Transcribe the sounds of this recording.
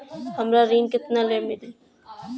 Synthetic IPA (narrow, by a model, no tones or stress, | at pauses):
həmɾaɾiːnkɪt̪naleːmɪle